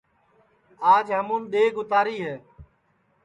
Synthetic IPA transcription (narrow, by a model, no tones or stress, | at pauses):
aːd͡ʒɦəmũːnɗ̪eːɡʊt̪aːɾiːɦeː